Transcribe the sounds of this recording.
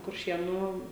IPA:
kʊrʲˈʃʲeːnuː

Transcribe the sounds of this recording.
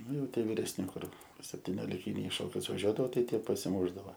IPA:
ˈnʊ jɛʊ ˈtʲiɛ ʋʲɪrʲɛsʲˈnʲɪ ˈkʊr sʲɛpʲtʲɪnʲoːlʲɪˈkʲɪnʲɛɪ ɪ ˈʃoːkʲʊs ʋɐˈʒʲuɔdɐʋoː ˈtɐɪ ˈtʲiɛ pɐsʲɪˈmʊʒdɐʋoː

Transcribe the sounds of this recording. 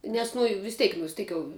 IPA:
ˈnʲɛs nʊ ɪ ʋʲɪs ˈtʲɛɪk ʋʲɪs ˈtʲɛɪk jɛʊ

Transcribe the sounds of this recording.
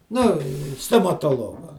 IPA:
ˈnʊ stoːmɐtoːˈlˠoːɡɐ

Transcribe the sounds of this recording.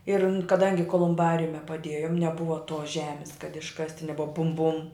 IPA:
ɪr n kɐˈdɐŋʲɡʲɪ koːlˠʊmˈbɑːrʲʊmʲɛ pɐˈdʲeːjʊm nʲɛˈbʊʋɐ toːs ˈʒʲæːmʲɪs kɐt ɪʃˈkɑːsʲtʲɪ nʲɛˈbʊʋɐ bʊm bʊm

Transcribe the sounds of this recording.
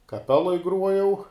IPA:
kɐˈpʲæːlˠoːj ˈɡruɔjɛʊ

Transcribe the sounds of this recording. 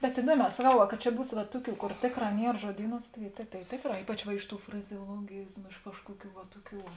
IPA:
bʲɛt ɪˈduɔˌmʲɛː sɐˈkɐʊ ʋɐ kɐ ˈt͡ʃʲɛ ˈbuːs ʋɐ ˈtʊˌkʲuː ˈkoːr ˈtʲeːkˌrɑː ˈnʲiɛr ʒuɔˈdʲiːˌnuːs tɐɪ tɐɪ ˈtʲeːkˌrɑː ˈiːpɐt͡ʃ ʋɐ ˈɪʃ ˌtuː frɐzʲɛoːlˠoːˈɡʲiːzmʊ ɪʃ ˈkɑːʃkuɔˌkʲuː ʋɐ ˈtuɔˌkʲuː

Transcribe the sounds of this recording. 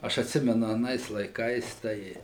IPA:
ˈɐʃ ɐtʲˈsʲɪmʲɛnʊ ɐˈnɐɪs lˠɐɪˈkɐɪs ˈtɐɪ

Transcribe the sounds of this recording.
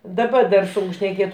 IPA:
dɐˈbɐ dɐr ˈsʊŋk ʃʲnʲɛˈkʲeːt

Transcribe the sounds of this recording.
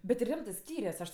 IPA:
bʲɛt tʲɪ ˈrʲɪmtɜ ˈsʲkʲiːrʲɛs ˈɐʃ

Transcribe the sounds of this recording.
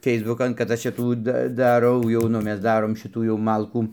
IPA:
ˈfʲɛɪzbʊkɐn kɐt ˈɐʃ ˈt͡ʃʲɛ ˈtuː ˈdɐ dɐˈrɐʊ jɛʊ ˈnʊ ˈmʲɛs ˈdɑːroːm ˈʃʲɪtuː jɛʊ ˈmɐlˠkuː

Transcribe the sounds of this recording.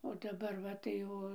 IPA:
oː dɐˈbɐr ˈʋɐ tɐɪ ˈoː

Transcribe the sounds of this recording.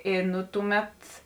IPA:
ɪ ˈnʊ tʊˌmʲɛt

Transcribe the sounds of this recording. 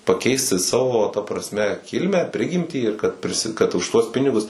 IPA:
pɐˈkʲɛɪsʲtʲɪ ˈsɑːʋoː tɐ prɐsʲˈmʲɛ ˈkʲɪlʲmʲæː ˈpʲrʲɪɡʲɪmʲtʲiː ɪr kɐt pʲrʲɪˈsʲɪ kɐt ʊʃ ˈtuɔs ˈpʲɪnʲɪɡʊs

